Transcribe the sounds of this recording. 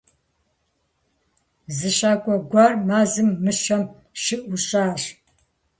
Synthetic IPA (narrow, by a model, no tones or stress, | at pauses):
zɨɕaːkʷʼɔɡʷarmaːzɨmːɨʂɐm | ʃɪʔʷʊɕaːɕ